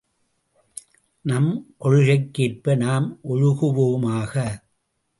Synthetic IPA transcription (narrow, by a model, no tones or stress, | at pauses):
nɐmkɔɻɯɣɐɪkːeːrpɐnaːmʔɔɻʊɣɯʋoːmaːɣɐ